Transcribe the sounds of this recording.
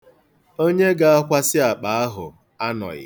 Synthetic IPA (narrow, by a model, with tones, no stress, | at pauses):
o˦ɲe˦ɡa˨a˦kʷa˦sɪ˦a˨k͡pa˨a˦ɦʊ̰˨ | a˦nɔ̰˨ɣɪ̰˨